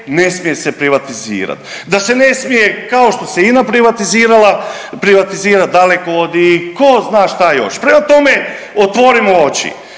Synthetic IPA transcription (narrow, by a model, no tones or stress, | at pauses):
ne̞smije̞sepɾiʋat̪izḭːɾa̰t̪ | d̪ase̞ne̞smije̞kaoʃt̪o̞seinapɾiʋat̪iziːɾalˠa | pɾiʋat̪iziːɾat̪̚d̪alekood̪iiko̞znaːʃt̪ajo̞̰ʃpɾemat̪o̞me | ot̪ʋo̞ɾimoot͡ʃḭ